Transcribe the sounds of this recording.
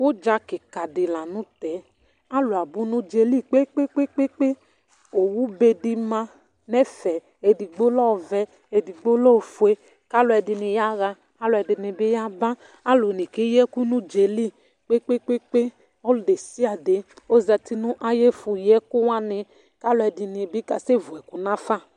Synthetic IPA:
wo˦d͡ʒa˧˦ki˨ka˨di˨la˨nũ˨˦tɛ˨˦ | a˦lu˨a˨bu˨˦nũ˦d͡ʒe˧li˦k͡pe˦k͡pe˦k͡pe˦k͡pe˦k͡pe˦ | o˨wu˦be˧di˧mã˧ | nɛ˦fɛ˨ | e˨di˨ɡ͡bo˦lɔ˦˨vɛ˧ | e˧di˨ɡ͡bo˦lɔ˦˨fu˨e˦ | ka˦lu˧ɛ˧di˧ni˧ja˦ɣa˧ | a˦lʊ˧˨ɛ˧di˧ni˧bi˦ja˦ba˦ | a˦lo˨ni˨ke˨˦jɛ˦ku˦nu˦d͡ʒe˨li˦ | k͡pe˦k͡pe˦k͡pe˦k͡pe˦ | ɔ˦lu˨de˨si˦a˨de˨˦ | o˦za˧ti˦nũ˦ʔa˦je˦fu˧jɛ˦ku˦wa˦nɪ˧ | ka˦lu˧ɛ˧di˧ni˧˨bi˦ka˧se˦˨vu˨ɛ˨ku˨na˦fa˦˨

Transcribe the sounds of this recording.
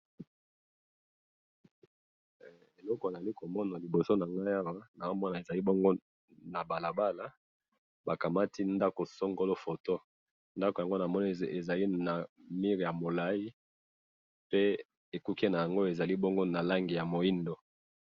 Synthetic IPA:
e˨lɔ˦ko˨za˨li˦ko˨mɔ˦na˨li˨bo˨so˦na˨ŋɡa˦ja˦wa˦na˨a˦mɔ˦na˨e˨za˨li˦bo˦ŋɡo˦ | na˨ba˨la˨ba˦la˦ | ba˨ka˨ma˦ti˦nda˦ko˨so˦ŋɡo˦lo˦fo˨to˦ | nda˦ko˨ja˨ŋɡo˦na˨mɔ˦n˦e˨za˨li˦na˨mi˦ʁi˨ja˨mo˨la˦i˦ | pe˦ | e˨ku˦ki˦na˨ja˨ŋɡo˦e˨za˨li˦bɔ˦ŋɡo˦na˨la˦ŋɡi˨ja˨mo˨i˦ndo˨

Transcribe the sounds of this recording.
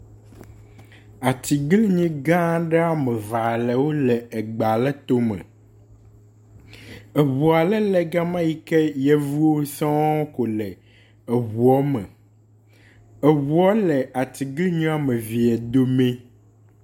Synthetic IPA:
a˨t̪i˨ɡlɲĩ˦ɡã˦ɖɛ˦a˦mɛ̃˨va˨lɛ˨wo˦lɛ˨ɛ˨ɡ͡ba˨lɛ˦t̪o˦mɛ̰̃˨ | ɛ˨wu˨a˨lɛ˦lɛ˨ɡa˦mã˦ji˦kɛ˦jɛ˦vu˦wo˦sɔ̃˦wɔ˦ko˨lɛ˨ | ɛ˨wu˨ɔ˦mɛ̰̃˨ | ɛ˨wu˨ɔ˦lɛ˨a˨t̪i˨ɡli˦ɲũ˦a˦mẽ˨vi˨ɛ˨d̪o˦mẽ˦

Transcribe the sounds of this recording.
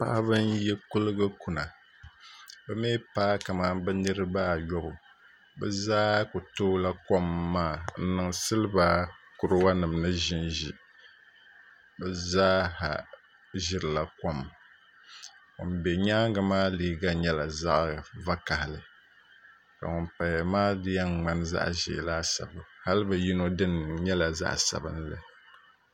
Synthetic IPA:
pa̰˦ʔbɨ˦njɛ˦kʊ˦lɨ˦ɡɨ˦ku˨na˨ | bɛ˦meː˦paː˦ka˨ma˦m˦bɛ˦nɨ˦ɾɨ˦ba˦˨jɔ˦bʊ˨ | bɛ˦zaː˦ku˨toː˦la˦kɔ˦mːaː˦˨n̩˦nɨ˨ŋsɨ˦lɨ˦ba˦kʊ˨ɾɨ˦wa˦nɨ˨mnɨ˦ʒɪ˦nʒi˨ | bɛ˦zaː˦ha̰˨ | ʒɪ˦ɾɨ˨la˦ko˦m | ŋʊ̰˨nbɛ˨ɲaː˦ŋ˦ɡɨ˨maː˦liː˦ɡa˦ɲɛ˦la˨za˦ʔva˦ka˨hɪ˨lɨ˨ | ka̰˨ŋʊ˨npa˨jmaː˦dɨ˦ja˦ŋ̩˨ŋ͡ma˦n˦za̰˦ʔʒɪ̰˨laː˦sa̰˨bʊ˨ha˦lɨ˦bɨ˨ji˦no˦dɨ˦nɲɛ˦la˨za̰˦ʔsa̰˨bɨ˦n˦lɨ̰˦

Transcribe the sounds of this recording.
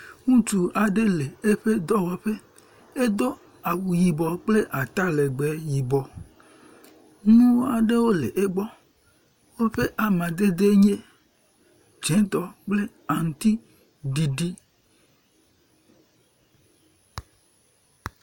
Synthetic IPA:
ŋũ˦t͡ʃu˨ʔa˨ɖe˦le˨e˦ɸe˦d̪ɔ˦wɔ˨ɸe˦ | e˦d̪o˦ | a˨wu˨ji˨bɔ˨k͡ple˦ʔa˨t̪a˦le˨ɡ͡bɛ˨˦ji˨bɔ˨ | nũ˦a˨ɖe˦wo˦lḛ˨ʔe˦ɡ͡bɔ˦ | wo˦ɸe˦ʔa˨mã˨d̪e˦d̪e˦ɲe˦ | d͡ʒẽ˨˦t̪ɔ˨k͡ple˦ | a˨ŋũ˨t̪i˦ | ɖi˨ɖi˦

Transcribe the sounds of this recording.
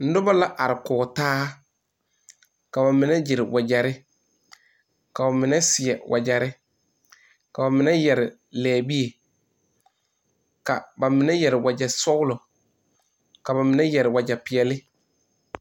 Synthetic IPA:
n̩˦dʊ˦ba˦la˦ʔa˨ɾɪ˨kʊː˨taː˦ | ka˨ba˨mɪ˨nɛ˦d͡ʒɪ˨ɾɪ˨wʔa˨d͡ʒa˨ɾɪ˦ | ka˨ba˨mɪ˨nɛ˦sɪ˨ɛ˨wʔa˨d͡ʒa˨ɾɪ˦ | ka˨ba˨mɪ˨nɛ˦jɛ˨ɾɪ˨ | lɛː˨bi˦e˨ | ka̰˨ba˨mɪ˨nɛ˦jɛ˨ɾɪ˨wa˨d͡ʒa˨sʊ˦ʊ˦lʊ˨ | ka˨ba˨mɪ˨nɛ˦jɛ˨ɾɪ˨wa˨d͡ʒa˨pɪ˨ɛ˨lɪ˦

